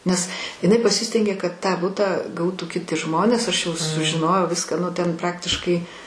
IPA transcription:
nʲɛs ɪˈnɐɪ pɐˈsʲɪsʲtʲɛŋʲɡʲeː kɐt ˈtɑː ˈbʊtɑː ˈɡɐʊtuː kʲɪˈtʲɪ ˈʒmoːnʲeːs ˈɐʃ jɛʊ sʊʒʲɪˈnoːjɛʊ ˈʋʲɪskɑː ˈnʊ ˈtʲɛn ˈprɑːktʲɪʃkɐɪ

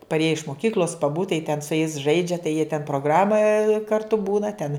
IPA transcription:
pɐrʲˈeːjɛ ɪʃ moːˈkʲiːklʲoːs pɐˈbuːt tɐɪ tʲɛn sʊ jɛɪs ˈʒɐɪd͡ʒʲɛ tɐɪ jiɛ tʲɛn proːˈɡrɑːmɐ kɐrˈtʊ ˈbuːnɐ tʲɛn

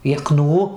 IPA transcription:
jɛˈknuː

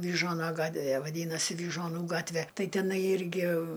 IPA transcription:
ʋʲiːˈʒuɔnɐ ˈɡɑːtʲʋʲɛ ʋɐˈdʲiːnɐsʲɪ ʋʲiːʒuɔˈnuː ˈɡɑːtʲʋʲɛ ˈtɐɪ tʲɛˈnɐɪ ˈɪrʲɡʲɪ

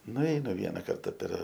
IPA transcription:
nʊˈɛɪnʊ ˈʋʲiɛnɐ ˈkɐrtɐ pʲɛr

